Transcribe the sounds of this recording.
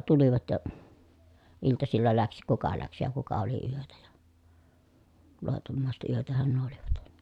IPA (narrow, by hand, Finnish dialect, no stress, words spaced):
tuliʋɑt jɑ iltɑsilːɑ læks kukɑ læks jɑ kukɑ oli yøtæ jɑ loˑitomːɑˑiset yøtæhæn nuo oliʋɑt